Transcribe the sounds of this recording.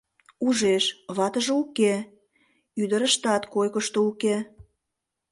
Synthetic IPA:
uʒeʃβɑt̪əʒeuke | yd̪əɾəʃt̪ɑt̪kojkəʃt̪ouke

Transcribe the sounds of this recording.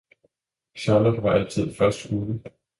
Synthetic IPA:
ɕɑlob̥ʋɑ̈ʔæl̰t͡sʰið̞̰ˠfɶɐsd̥uːlə

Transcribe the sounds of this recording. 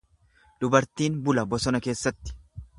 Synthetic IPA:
d̪ʊbɐɾt̪iːnbʊlɐbɔsɔnɐke̞ːsːɐt̪ːɪ̥

